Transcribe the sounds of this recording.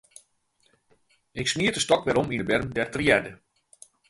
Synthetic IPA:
ɪksmiətəstɔkʋɛɾɔminəbɛrdɛrtriɛdə

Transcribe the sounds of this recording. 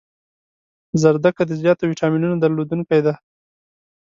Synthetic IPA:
zaɾd̪akad̪əzjɑt̪awiʈɑminunad̪aɾlod̪uŋkajd̪a

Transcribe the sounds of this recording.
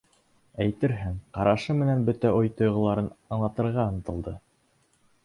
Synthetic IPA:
æjt̪ɘɾɦɘŋqɑɾʔɑʃɤmɘ̆nænbɵt̪æojt̪ŏjʁɤ̆lˠɑɾɤnɑɴlˠɑt̪ɤ̆ɾʁɑɤ̆nɤ̆t̪ɤ̆lˠd̪ɤ

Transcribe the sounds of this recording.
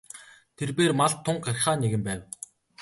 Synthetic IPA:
t̪ʰerpeːrmaɮt̪ʰːʊɴɢɢar̆χaːneɣɘ̆mpæːw

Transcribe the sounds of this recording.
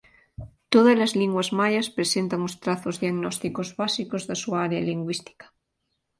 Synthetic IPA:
t̪oðazlazliŋɡwazmajaspɾesent̪aŋost̪ɾaθozðiaɣnost̪ikozβasikozðasuaɾealiŋɡwist̪i̥kḁ

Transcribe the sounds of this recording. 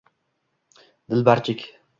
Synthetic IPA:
d̪ɪlbaɾt͡ʃʰɪkʲ

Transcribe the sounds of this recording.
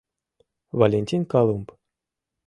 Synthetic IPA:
valʲenʲtʲinkalˠump

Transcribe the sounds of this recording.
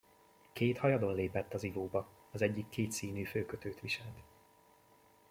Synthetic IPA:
keːt̪hɒjɒd̪o̞nleːpɛt̪ːɒzivoːbɒ | ɒzɛɟːikːeːt̪siːnyːføːkøt̪øːt̪ʋiʃɛlt̪

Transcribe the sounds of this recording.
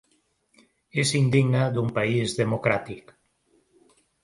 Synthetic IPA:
esind̪iɣnaðumpaizðemokɾat̪ik

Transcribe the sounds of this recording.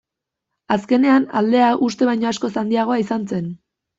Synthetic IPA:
aske̞ne̞ana̰ld̪e̞aʔust̪e̞βajɲo̞asko̞sand̪iaɣ̞o̞aisant͡se̞n

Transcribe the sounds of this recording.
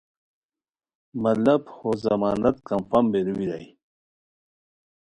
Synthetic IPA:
mɐlɐbhozɐ̰maːnɐt̪kɐmfɐmbeɾuwiɾaj

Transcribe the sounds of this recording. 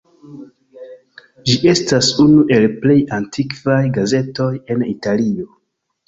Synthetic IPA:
d͡ʒiʔe̞stasunuʔe̞lple̞jantʰikvajɡaze̞to̞je̞nitalio̞

